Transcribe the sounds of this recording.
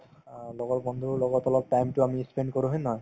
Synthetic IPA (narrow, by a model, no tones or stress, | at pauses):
lɔɡɔtbɔnd̪ʱuɹlɔɡɔtɔlɔp̚ʈajmtʊamispenɖkoɹuɦojnɔɦɔj